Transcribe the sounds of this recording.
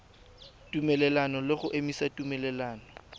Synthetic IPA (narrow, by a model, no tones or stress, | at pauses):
tʼumɛlɛlanɔlɪɣʊʔemisatʼumɛlɛlaːnɔ